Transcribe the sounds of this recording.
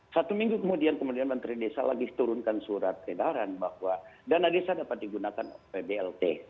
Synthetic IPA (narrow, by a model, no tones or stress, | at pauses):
sat̪umiŋɡukəmudiankəmudianmənt̪ɾidesala̰ɡiht̪uɾʊnkansuɾat̪̚edaɾanbahwadanadesadapat̪̚diɡunakanpebeɛlt̪e